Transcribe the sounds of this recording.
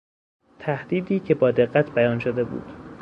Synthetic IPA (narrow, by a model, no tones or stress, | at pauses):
t̪ʰæhd̪̥iːd̪iːcʰe̞bɒːd̪e̞ɢːæt̪ʰbæjɒːnʃod̪e̞bṵːd̪̥